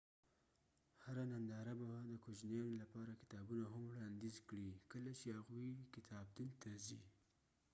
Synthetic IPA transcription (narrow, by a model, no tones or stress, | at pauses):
haɾanand̪ɑɾabad̪əkod͡ʒnjɑnolapɑɾakɪ̥t̪ɑbunaɦamwɽɑnd̪izkɽikəlat͡ʃehaɣujkɪt̪ʰɑb̚d̪unt̪ʰazi